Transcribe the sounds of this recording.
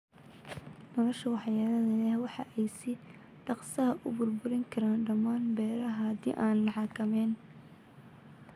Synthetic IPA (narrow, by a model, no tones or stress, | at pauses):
nɔlɔʃɐwɑħjaːlɐðɐlɛhwɑħɑ̰ʔɛjsɪ | ɖ̥ɑqsɐɦɐʔʊ̰bʊrbʊɾɪŋkʰɐɾaːnɖɐmaːnbɛːɾɐɦɐhɐd̪ḭːʔaːnlɐħɑkʰɐmɛːn